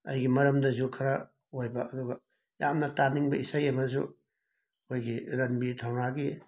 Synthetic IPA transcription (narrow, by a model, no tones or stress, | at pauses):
ɐ̰jɡimɐɾɐmdɐzukʰɐɾɐ | hojbɐʔːduɡɐ | jamnɐtaniŋbɐisajɐmɐzṵ | kʰojɡiɾɐnbitʰawnaɡi